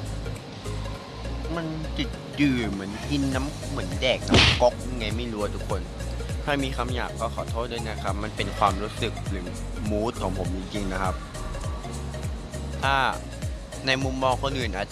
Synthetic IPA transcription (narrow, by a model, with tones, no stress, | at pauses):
ma˧nt̪i˨˩t̪̚dɯː˨˩mɯ˩˦ənki˧nːa˦˥mmɯ˩˦əndɛː˨˩k̚na˦˥mko˦˥k̚ɲa˧ŋːa˦˥jma˥˩jlu˦˥˦ɐ˧t̪ʰu˦˥kʰːo˧nt̪ʰaː˥˩miː˧kʰa˧mja̰ː˨˩k̚kːɔː˥˩kʰɔː˨˩˦t̪ʰoː˥˩t̪̚duː˧˥˨jna˦˥kʰa˦˥p̚ma˧npe˧nkʰwaː˧mɾuː˦˥sɯ˨˩k̚ɾɯː˩˦ | muː˦˥t̪̚kʰɔː˩˦ŋpʰo˩˦mt͡ɕi˧ŋt͡ɕi˧ŋna˦˥kʰa˦˥p̚ | t̪ʰaː˥˩ | na˧jmu˧mːɔː˧ŋkʰo˧nʔɯː˨˩nʔa˨˩